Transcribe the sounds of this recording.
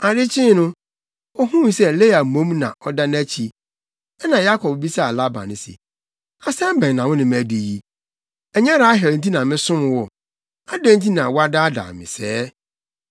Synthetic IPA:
a˨dɪ˦t͡ɕʰɪ̃˦nʊ̃˦ | ɔ˦ɦũ˦˨sɛ˦˨le˦a˨mõ˦mnã̰˨ʔɔ˦da˦næ̃˦t͡ɕʰi˨ | ɛ˦nã˨ja˦kʰɔ˨b̚bi˦sa˦a˨la˦ba̰˨nɪ̃˨sɪ̰˨ | a˨sɛ˦m˦bɛ̃˨n˨nã˨wʊ̃˦nɪ̃˨m˨æ˨di˨ji˦ | ɛ˨ɲɛ˦ɾa˨˦ɦɛ˨ɾn̩˨t̬ʰi˦nã˨mɪ̃˦sʊ̃˦m̃˨wɔ˨ | a˦dæ̃˦n̩˦tʰi˦nã˨wɔ˦a˦da˦da̰ː˨mɪ̰̃˨sɛː˦

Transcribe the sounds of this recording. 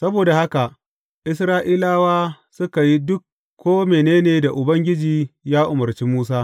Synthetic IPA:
sɐ˦boː˨da˨ha˦ka˨ʔ | ʔɪ˦sɾaː˦ʔiː˦laː˦waː˦ | sʊ˦ka˨ji˦dʊ˦kː | oː˦meː˨neː˦neː˨da˨ʔʊ˨bɐ˦ŋɡʲɪ˦d͡ʒiː˨jaː˦ʔʊ˨mɐ˨rt͡ʃiː˦muː˦s̬aː˦

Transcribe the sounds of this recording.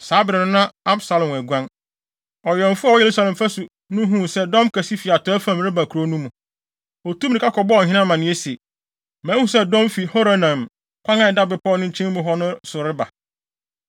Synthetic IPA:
saː˨˦bɪ˨ɾɪ˨nʊ̃˦nã˦a˦bsa˦lɔ̃˨mæ˨ɡʷã˦n | ɔ˨ɥɛ˨m̩˨fʊ˦a˨wɔ˦je˨ɾu˦sa˦lɛ̃˨mfa˦sʊ˨ | nʊ̃˦ɦũ˦˨sɛ˦dɔ̃˦mkʰæ˨si˦fi˨a˨tʰɔ˨˦æ˦fã˨mɾɪ˦ba˨kʰɾo˦nũ˦mũ˨ | ɔ˨tũ˦m˨nĩ˨kʰa˦kʰɔ˨bɔ˦ɔ˨ɦɪ̃˦nã˦mã˨nɪ̃˦e˦si˨e˨ | mæ̃˦hũ˨sɛ˦dɔ̃˦mfi˨ho˦ɾa˦nã˨m | kʷʰã˦ŋã˦˨ɛ˨da˦bɪ˨pʰɔː˦˨˦nʊ̃˦ɲ̩˦t͡ɕʰĩ˦mʊ̃˨ɦɔ˦nʊ̃˦sʊ˨ɾɪ˦ba˨

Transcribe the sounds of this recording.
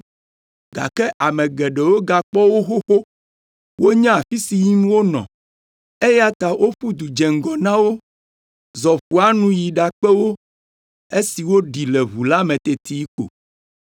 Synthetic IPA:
ɡa̰˨kɛ˦ʔa˨mɛ̃˨ɡɛ˨ɖɛ˨wo˦ɡa˨k͡pɔ˦wo˦xo˦xo˦ | wo˦ɲã˦a˨fi˦si˨ji˦m˦wo˦nɔ̰̃˨ | e˦ja˨t̪a˨wʔo˦ɸu˦d̪u˨d͡ʒɛ˨ŋ̩˨ɡɔ˨nã˦wo˦ | zɔ˨ɸu˨a˦nũ˦ji˨ɖa˨k͡pɛ˦wo˦ | e˦si˨wo˦ɖi˨lɛ˨βu˨la˦mɛ̃˨t̪e˨t̪i˦k͡po̰˨

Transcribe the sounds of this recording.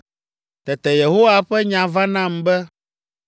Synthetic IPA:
t̪ɛ˨t̪ɛ˨je˨ɦo˦wa˨ɸɛ˦ɲã˨va˦nã˦˨mbɛ˦

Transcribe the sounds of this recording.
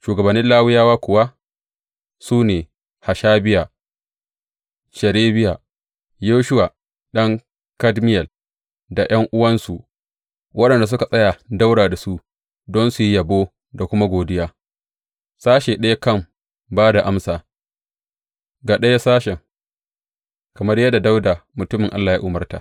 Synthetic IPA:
ʃuː˨ɡɐ˨bɐ˨nːɪ˦nlaː˦wɪ˦jaː˦waː˦kʷʊ˨wa˦ | suː˦neː˨ | ha˨ʃaː˦bɪ˦ja˨ | ʃɐ˨ɾeː˦bɪ˦ja˨ | joː˦ʃʊ˦wa˨ | ɗɐ˦ŋ | kɐ˦dmɪ˦jɐ˨l | da˨j̰ʔɐ˦ŋʔʊ˦wɐ˦nsu˨ʔ | wʔɐ˦ɗɐ˨nda˨s̬ʊ˦ka˨sʼɐ˦ja˨da˦wɽaː˨da˨su˦ʔ | dɔ˦nsu˨ji˦jɐ˨boː˦ | da˨kʷʊ˦ma˦ɡʷoː˨dɪ˦jaː˦ | saː˦ʃeː˨ɗɐ˦ja˦kɐ˦˨m | baː˦da˨ʔa˦msaː˨ | ɡa˨ɗɐ˦ja˦saː˦ʃɛ˨ŋ | kɐ˨mɐ˦rjɐ˦dːa˨da˦wdaː˨mʊ˨tʊ˦mɪ˨ŋʔa˦lːaː˨jaː˦ʔʊ˨˦mɐ˦rta̰˨

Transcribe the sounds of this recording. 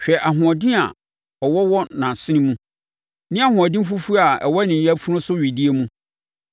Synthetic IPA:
ɕᶣɛ˨ʔa˨ɦʊ̃˨ɔ˨dɪ̃˦a̰˨ | ɔ˨wɔ˦wɔ˦nã˨sɪ˦nĩ˦mũ˦ | nɪ̃˦a˦ɦʊ̃˨ɔ˨dɪ̃˦m̩˦fu˦fu˦a˨ɛ̰˨wɔ˦nɪ̃˨˦a˦fu˦ɾʊ̃˦sʊ˦ɥi˨di˦e˦mũ˦

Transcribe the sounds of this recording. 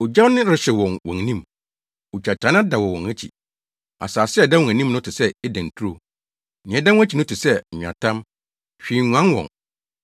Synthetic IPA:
o˨d͡ʑa˦wnɪ̃˦ɾɪ˨˦ɕɛ˨wɔ̃˨nwɔ̃˨n˨nĩ˦˨m | o˨t͡ɕʰa˨t͡ɕʰɾã˨˦n˦ã˦da˨wɔ̃˨wɔ̃˨næ˦t͡ɕʰḭ˨ | a̰˨saː˨sɪ˦ɛ˦˨da˦wɔ̃˨æ̃˨nĩ˦mnʊ̃˦tʰɪ˨sɛ˦ɛ˦dæ̃˨n̩˨tʰu˦ɾo˨ | nɪ̃˨ɛ˦dã˦wæ˦t͡ɕʰi˨nʊ̃˦tʰɪ˨sɛ˦˨ɲᶣ˨ã̰˨tʰã˦m | ɕᶣi˨ɲʷ˨ã˦n˦wɔ̰̃˨ŋ

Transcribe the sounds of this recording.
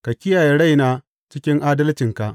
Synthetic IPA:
ka˨kʲɪ˦jaː˨je˨ɽa˦˨jnaː˦ | t͡ʃɪ˦kʲɪ˦ŋʔaː˦dɐ˦lt͡ʃɪ˨ŋka˨ʔ

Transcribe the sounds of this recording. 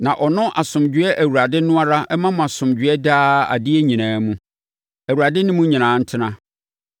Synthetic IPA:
nã˨ʔɔ˨nʊ̃˦ʔa˨sʊ̃˨md͡ʑᶣɥɛ˦ʔæ˨wu˨ɾa˨dɪ˦nʊ̃˦a˦ɾa˦ɛ˦mã˦mʊ̃˨a˨sʊ̃˨md͡ʑɥɛ˦daː˦a̰˨dɪ˦ɛ˦ɲĩ˨nãː˨˦mũ˦ | æ˨wu˨ɾa˨dɪ˦nɪ̃˦mũ˦ɲĩ˨nãː˨˦n̩˦tʰɪ˦nã˦

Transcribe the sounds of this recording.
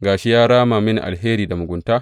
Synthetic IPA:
ɡaː˨ʃi˦jaː˦ɽaː˦maː˨mɪ˦nḭ˨ʔa̰˨lɦeː˦ɾiː˨da˨mʊ˨ɡʷʊ˨ntaː˦

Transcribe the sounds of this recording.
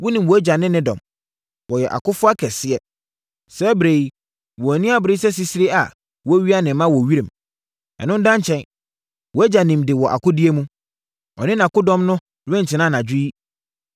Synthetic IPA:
wɔ˦nĩ˨mwɔ˨æ˦d͡ʑa˨nɪ̃˦nɪ̃˦dɔ̰̃˨m | wɔ˨jɛ˨ʔa̰˨kʊ˦fʊ˦a˦kʰɛ˨sɪ˦ɛ˨ | sɛ˦bɪ˨ɾe˨˦ | wɔ˨æ˨nĩ˦a˦bɪɾɪ˦sɛ˦s̬i˨si˦ɾe˦a˨ | wɔ˦ɥi˦a˦nɪ̃˨˦mã˦wɔ˨ɥi˦ɾĩ˨m | ɛ̰˨nʊ̃˦n˦dã˦n˦t͡ɕʰɛ̃˦n | wɔ˨æ˦d͡ʑa˨nĩ˨mdɪ˨wɔ˨ʔa̰˨kʊ˦dɪ˦e˦mũ˦ | ɔ̰˨nɪ̃˦nã˨kʊ˦dɔ̃˦mnʊ̃˦ | ɾɛ̃˦n̩˨tʰɪ˨nã˦nã˨d͡ʑᶣʊ˦i˦

